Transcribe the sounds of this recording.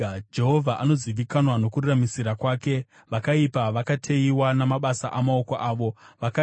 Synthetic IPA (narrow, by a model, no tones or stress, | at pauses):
d͡ʒe̞ɦo̞vʱaʔano̞ziʋikanwano̞kuramisiɾakwaːke̞ | ʋakaipaʋakatʰeiwanamaɓasaʔamao̞koʔaːʋo̞ʋaka